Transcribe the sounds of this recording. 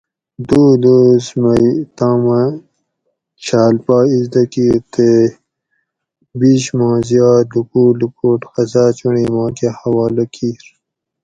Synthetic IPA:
d̪uːd̪osmɐjt̪ãːmɐ | t͡ʃʰaːlpaːizd̪ɐkiːɾt̪e | biɕmɑ̃ːzijaːd̪ukuːlukuːʈxɐzaːt͡ɕuɳiːmɑ̃ːkehɐwaːlɐkʰiːɾ

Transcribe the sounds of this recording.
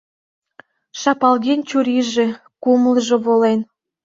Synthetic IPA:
ʃɑpɑlɣenʲt͡ɕuɾiʒe | kumlʒoβolen

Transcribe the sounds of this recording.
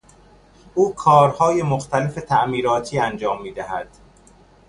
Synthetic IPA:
ʔuːkʰɒːɾhɒːjemoxt̪ʰæle̞fe̞t̪ʰæʔmiːɾɒːt̪ʰiːænd͡ʒɒːmːiːd̪æɦæd̪̥

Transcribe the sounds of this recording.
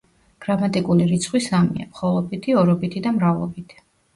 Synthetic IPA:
ɡ̥ɾamat̪ʼikʼuliɾit̪sʰχwisamḭa̰mχɔlˠɔbit̪ʰiɔɾɔbit̪ʰid̪amɾavlˠɔ̰bit̪ʰi̥

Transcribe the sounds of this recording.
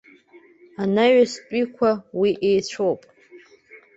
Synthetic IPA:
anaɥaspʷʼikʷʰawiʔejt͡ɕʷʰowpʼ

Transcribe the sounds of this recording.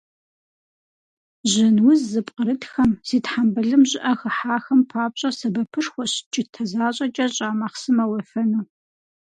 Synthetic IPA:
ʑɪnwʊzzɨpʼqʼəɾɨtxɐmsiːtħambɐɮɨmʑʼɪʔɐxɐħaːxɐmpʰaːpɕʼɐsɐbɐpʰɨʂxʷɔɕt͡ʃʼɪtʰɐzaːɕʼɐt͡ʃʼɐɕʼaːmɐχsɨmɐwɐfɐnuː

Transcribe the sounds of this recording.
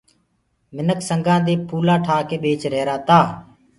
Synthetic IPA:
mɪnəksəŋɡãːd̪eːpʰuːlaːʈʰaːkeːɓeːt͡ʃɾeːɾaːt̪aː

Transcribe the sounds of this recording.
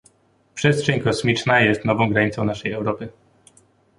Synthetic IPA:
pʂɛstʂɛɲkɔsmʲit͡ʂnajɛst̪nɔvɔ̃w̃ɡɾaɲit̪sɔ̃w̃naʂɛjɛwɾɔpɘ

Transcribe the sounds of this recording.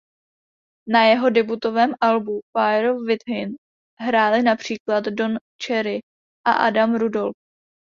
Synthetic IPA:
najɛɦo̞dɛbut̪o̞vɛːmʔalbufajɛɾofvɪt̪ɦɪn | ɦɾaːlɪnapr̝̥iːklat̪don | t͡ʃɛɾɪ | ʔa̰ʔa̰damɾudo̞lf

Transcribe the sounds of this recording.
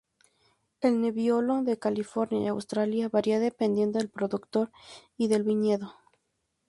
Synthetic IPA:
e̞lne̞βjolo̞ðe̞kalifo̞ɾnja̰j̰a̰wst̪ɾaljaβaɾiaðe̞pend̪je̞nd̪oelpɾo̞ðukt̪o̞ɾiðe̞lβiɲe̞ðo̞

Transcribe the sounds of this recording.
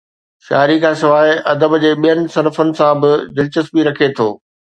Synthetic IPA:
ʃa̰ːɾikʰãːsɪʋaːɦɪɐd̪əbd͡ʑeːɓijənɪ̆sɐnfʊnɪ̆sãbɪd͡ʑɪlt͡ɕəsbiɾɐkʰet̪ʰoː

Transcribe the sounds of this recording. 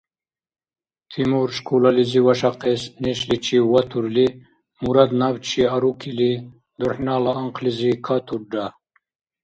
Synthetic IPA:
t̪ʰimuɾʃkʰulaliziwɐʂaqesniʃlit͡ʃʰiwat̪ʰuɾli | muɾad̪nawt͡ʃʰiaɾukʰili | d̪uħnaːlaːŋqʰlizikʰat̪ʰuɾɖa

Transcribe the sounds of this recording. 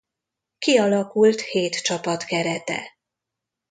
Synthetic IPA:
kiɒlɒkult̪heːt̪t͡ʃɒpɒt̪kɛɾɛt̪ɛ̰

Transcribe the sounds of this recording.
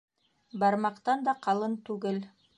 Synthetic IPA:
bɑɾmɑqt̪ɑnd̪ɑqɑlˠɤnt̪ʉɡɘl

